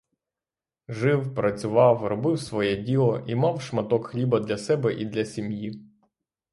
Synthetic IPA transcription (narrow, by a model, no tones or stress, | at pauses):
ʒɪwpɾɐt͡sʲʊʋɑwrɔbɪwsʋɔjɛdʲilˠɔʔimɑwʃmɐt̪ɔkxlʲibɐd̪lʲɐsɛbɛʔid̪lʲɐsʲimji